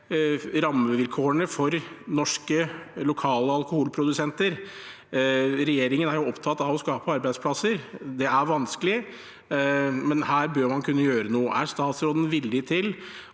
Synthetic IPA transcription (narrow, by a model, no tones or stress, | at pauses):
ɾɑmːəʋɪlkʰoːəɳəfɔɾnɔʂkəlʊkʰɑːləɑlkʊhʊlpʰɾʊd̪ʉsɛnt̪əɾ | ɾɛjeːɾɪŋənæɾjʊɔpt̪ʰɑt̪ːɑʋɔskɑːpəɑɾbæɪspʰlɑsəɾd̪ɛæɾʋɑnskəlɪ | mɛnhæːɾbøːɾmɑnkʰʉnːəjøːɾənuːəʔæɾʂt̪ɑːt̪sɾoːd̪ən̩ʋɪlːɪt̪ʰɪl